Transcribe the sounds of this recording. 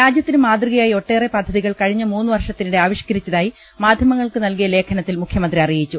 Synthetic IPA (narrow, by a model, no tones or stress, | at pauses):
ɾaːd͡ʑjɐt̪ːinɨmaːd̪rɨɣɐjaːjio̞ʈːe̞ːrepɐd̪ʱːɐðiɣɐɭkɐɻiɲːɐmuːnːɨʋɐrʂɐt̪ːinuɽe̞aːʋiɕkɐɾit͡ɕːɐðaːji | maːd̪ʱjɐmɐŋːɐɭkɨnɐlkijɐle̞ːkʰɐnɐt̪ːilmukʰjɐmɐnd̪riɐrijit͡ɕːu